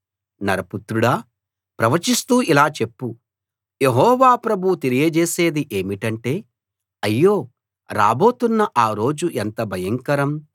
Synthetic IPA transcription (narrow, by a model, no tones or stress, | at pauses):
nɐɾɐput̪ɾuɽaː | pɾɐʋɐt͡ʃist̪uːʔilaːt͡ʃe̞pːu | je̞ɦɔːʋaːpɾɐbʱuut̪elijɐd͡ʒeːseːd̪iʔe̞ːmiʈɐɳʈe̞ː | ɐjːoː | ɾa̰ːbo̞ːt̪unːɐʔaːɾo̞ːd͡ʒuʔent̪ɐbʱɐjɐŋkɐɾɐm